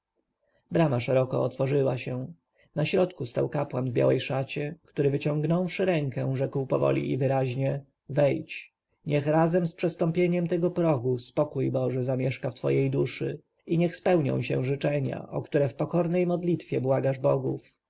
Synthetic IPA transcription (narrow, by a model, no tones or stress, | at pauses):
bɾamaʂɛɾɔkɔ̰ɔt̪fɔʐɘwaɕɛ̃ | naɕɾɔt̪kust̪a̰wkapwanvbja̰wɛjʂat͡ɕɛkt̪uɾɘvɘt͡ɕɔ̃ŋɡnɔwʂɘɾɛŋkɛʐɛkwpɔvɔ̰lʲḭʔḭvɘɾaʑɲɛ | vɛjt͡ɕ | ɲɛxɾazɛmspʂɛst̪ɔmpʲjeɲɛmt̪ɛɡɔpɾɔɡuspɔkujbɔʐɛzamʲjɛʂkaft̪fɔ̰jejd̪uʂɘ | iɲɛxspɛwɲɔ̰̃w̃ɕɛ̰̃ʐɘt͡ʂɛɲa̰ʔɔkt̪uɾɛfpɔkɔɾnɛjmɔd̪lʲit̪fʲjɛbwaɡaʐbɔɡuf